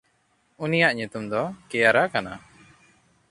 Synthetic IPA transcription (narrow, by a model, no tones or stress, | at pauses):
unijaʔɲut̪umd̪ɔkɛjaɾakana